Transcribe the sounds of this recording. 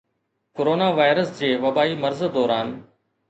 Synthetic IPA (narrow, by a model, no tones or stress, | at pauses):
koɾoːnaːʋaːɪɾəsd͡ʑeːʋɐbaːimɐɾzd̪ɔːɾaːn